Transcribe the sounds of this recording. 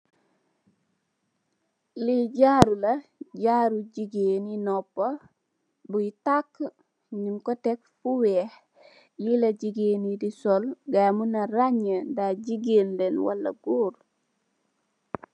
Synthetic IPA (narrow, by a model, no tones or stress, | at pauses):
liɟaɾulɐɟaɾuɟiɡeninɔpːa | butakː | ɲimkɔtɛk̚fuwɛh | jilaɟiɡenidisɔlɡamunaɾaɲandaɟiɡenlɛnwa̰lːa̰ɡuːɾ